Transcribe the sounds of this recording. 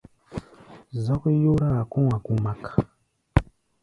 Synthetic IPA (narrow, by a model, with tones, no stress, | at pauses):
za˦ku˦ju˦ɾa˦˨ku˦wa˨ku˦ma˨ka